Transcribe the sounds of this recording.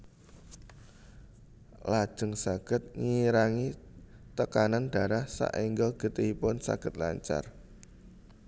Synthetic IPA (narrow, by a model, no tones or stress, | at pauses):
lad̥ʒ̥ə̤ŋsaɡ̥ə̤t̪̚ŋiɾaŋi | t̪əkananɖ̥a̤ɾahsa̰ʔiŋɡəlɡ̥ə̤t̪iipʊnsa̰ɡ̥ə̤t̪̚la̰ɲt͡ʃa̰r